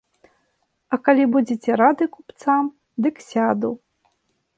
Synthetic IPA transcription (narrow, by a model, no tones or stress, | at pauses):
ɐkalʲibud͡zʲet͡sʲɛɾad̪ɨkupt̪sam | d̪ɨksʲad̪u